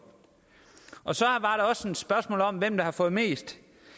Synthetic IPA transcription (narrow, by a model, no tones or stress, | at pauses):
ɒ̽sɒ̽ʋɑ̈ɾ̥ɑ̈ɒ̽sed̥sb̥ɶɐsmɔ̰ːlɒ̽mʋem̰d̥ɑ̈hɑ̈fɔ̽ːð̩ˠme̝̰ːsd̥